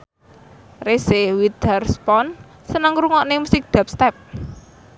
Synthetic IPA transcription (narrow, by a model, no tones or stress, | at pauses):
resewid̪ərspɔn | sənəŋɾuŋɔʔnemusɪk̚d̪̥a̤p̚st̪ɛp̚